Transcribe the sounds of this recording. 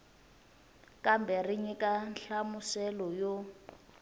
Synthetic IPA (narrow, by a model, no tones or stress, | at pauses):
kʼambɛriɲikʼanɬamusɛlɔjɔ